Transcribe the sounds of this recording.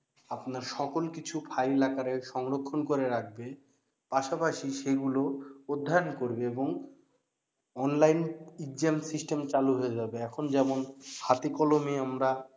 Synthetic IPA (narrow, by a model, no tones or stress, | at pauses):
apnaɾʃɔkolkit͡ɕʰupʰajelakaɾeʃɔŋɾokʰːonkoɾeɾak̚ʰbe | paʃapaʃiʃeɡulood̪ʱːaɾonkoɾbeeboŋ | ɔnlajnid͡ʑemsisʈemt͡ɕaluɦoed͡ʑabeɛkʰond͡ʑɛmonhat̪ikɔlomeamɾa